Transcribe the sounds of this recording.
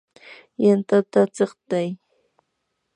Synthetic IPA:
jant̪at̪at͡seχt̪aj

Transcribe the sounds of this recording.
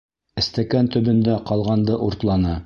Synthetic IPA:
ɘ̆st̪ækænt̪ɵ̆bɵ̆nd̪æqɑlˠʁɑnd̪ɤʔuɾt̪lˠɑnɤ

